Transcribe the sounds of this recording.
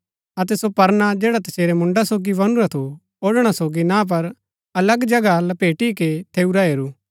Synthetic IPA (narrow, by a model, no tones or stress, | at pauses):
ɐt̪̬ɛsopɐɾnad͡ʒeːɽat̪ɐseːɾɛmʊ̃ɳɖasoːɡiʋɐnuɾat̪ʰo | oːɽɽ̃asoːɡinãp̬ɐɾ | ɐləɡd͡ʒɐɡalɐpeːʈiket̪ʰeːuɾaɦeːɾuː